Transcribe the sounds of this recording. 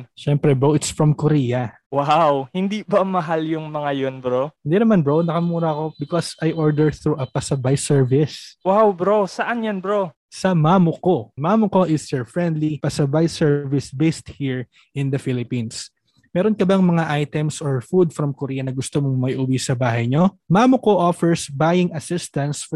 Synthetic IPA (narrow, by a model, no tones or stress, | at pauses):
ʃɛmpɾɛboʔɪt̪sfɹɐmkoɾiːjɐ | wawhɪnd̪ibɐmɐɦaljʊŋmɐŋajonbɾohɪnd̪inɐmanbɹonɐkɐmuːɾɐɐko̞bɪkosʔajʔoɹd̪ɛɹθɹuʔɐpɐsɐbajsɛɹvɪswawbɾosɐʔanjanbɹo | sɐmaːmoko̞maːmokoʔɪsɛɹfɹɛ̃nd̪lipɐsɐbajsɛɹvɪsbejst̪̚hiɹ | ʔɪ̃nd̪ɐfilɪpins | mɛːɾonkɐbɐŋmɐŋaʔajt̪ɛmsoɹfud̪̚fɾɐmkoɾiːɐnɐɡʊst̪omoŋmɐjʔuwisɐbaːɦɐjɲo̞mamokoʔofɛɹsbajɪŋɐsɪst̪ɐnsf